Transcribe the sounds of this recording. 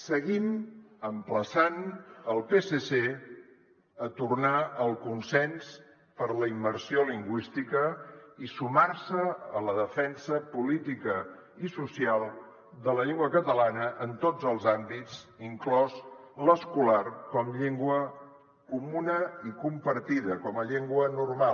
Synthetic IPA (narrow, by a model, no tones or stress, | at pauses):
səɣiməmpləsanəlˠpesese | ət̪urnaəlˠkunsɛns | pəɾləimːəɾsioliŋɡwist̪ikəisumarsəələðəfɛnsəpulit̪ikə | isusialˠ | d̪ələʎeŋɡwəkət̪əlanəʔənt̪od͡zəlˠzambit͡siŋklɔzləskularkɔmʎeŋɡwə | kumunəikumpəɾt̪iðəkɔməʎeŋɡwənurma